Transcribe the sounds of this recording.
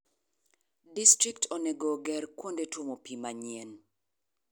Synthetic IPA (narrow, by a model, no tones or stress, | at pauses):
distɾiktʰoneɡoɡɛɾkwondetwomopimaɲien